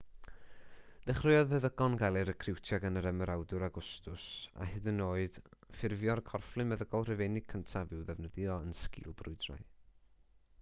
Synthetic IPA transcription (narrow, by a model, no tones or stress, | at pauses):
d̥ɛχrɪɨɔðvɛðəɡɔnɡalˠɨɾəkʰrɪwtʰjaɡənəɾɛməɾawdʊɾaɡʊstʊsa̰hɪðənoːɨð̥fɪrvjɔrkʰɔrflˠɨmɛðəɡɔlˠrɪvenɪɡ̚kʰəntʰavɪwðɛvnəðjɔənskɪ̰ːlˠbrʊɨdra̰j